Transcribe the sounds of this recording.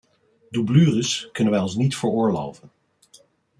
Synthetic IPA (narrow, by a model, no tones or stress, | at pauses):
dublyːrəskɵnənʋɛjɔnsnitfəɹʊːɹlo̰wvən